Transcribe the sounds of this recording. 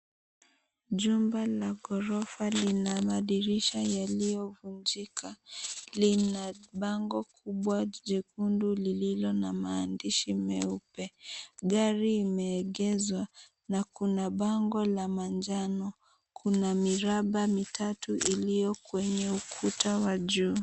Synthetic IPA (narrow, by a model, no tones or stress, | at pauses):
ʄumbalaɡɔɾɔfalinamaɗiɾiʃajalijɔvuɲd͡ʒikʰalinaɓaŋɡɔkʰuɓwaʄɛkundulililɔnamaːndiʃimɛupɛɡaɾiːmɛːɠɛzwa | nakunaɓaŋɡɔlamand͡ʒanɔ | kʰunamiɾaɓamitʰatuʔilijɔkwɛɲɛukʰutawaʄuː